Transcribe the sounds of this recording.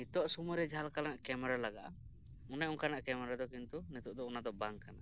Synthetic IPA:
it̪ɔʔsumɔɾɛd͡ʒalkalanaʔkɛmɛɾalaɡa̰ʔa̰ | unɛuŋkanaʔkɛmɛɾad̪ɔkint̪unit̪uʔd̪ɔunad̪ɔbaŋkana

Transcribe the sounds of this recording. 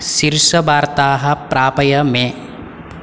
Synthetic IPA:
ʃiɾʃɐbaːɾt̪aːɦɐ̆pɾaːpɐjɐmẽ

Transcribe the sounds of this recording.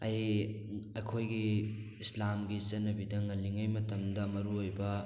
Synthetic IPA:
ɐj | ɐjkʰojɡi | islamɡit͡ʃɐnːɐbidɐŋɐlːiŋɐjmɐtɐmdɐmɐɾuojbɐ

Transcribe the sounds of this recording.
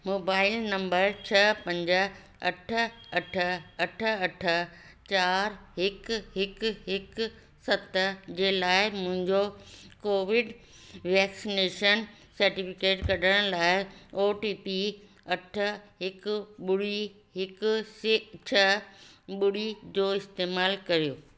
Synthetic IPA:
moːbaːɪlnɐ̃mbəɾt͡ɕʰɐpɐ̃ɲd͡ʑə | ɐʈʰə̆ɐʈʰəɐʈʰəɐʈʰə̆ | t͡ɕaːɾɦɪkɦɪkɦɪk | sɐt̪əd͡ʑeːlaːɪmʊ̃ɦɪ̃ɲd͡ʑokoːʋɪɖ | ʋɛːksɪneːʃən | sɐɾʈɪfɪkeːʈkɐɗʱəɽ̃ə̃laːɪoːʈiːpi | ɐʈʰə̆ɦɪkʊɓʊɽi | ɦɪkʊsɪt͡ɕʰɐɓʊɽid͡ʑoːɪst̪eːmaːlkɐɾijoː

